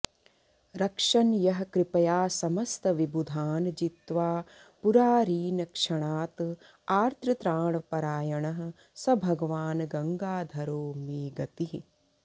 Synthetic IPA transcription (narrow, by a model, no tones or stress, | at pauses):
ɾɐkʂɐnjɐɦɐ̆kɾɪpɐjaːsɐmɐst̪ɐʋibud̪ʱaːnd͡ʒit̪ʋaː | puɾaːɾiːnɐkʂɐɳaːt̪ | aːɾt̪ʰɾɐt̪ɾaːɳɐpɐɾaːjɐɳɐɦɐ̆ | sɐbʱɐɡɐʋaːnɡɐŋɡaːd̪ʱɐɾoːmiːɡɐt̪iɦi